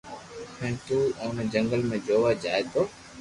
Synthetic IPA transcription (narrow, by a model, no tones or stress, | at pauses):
hɛ̃ːt̪uːʊ̃ːnd͡ʒəŋɡəlmẽːd͡ʒoːʋad͡ʒaːet̪ʰoː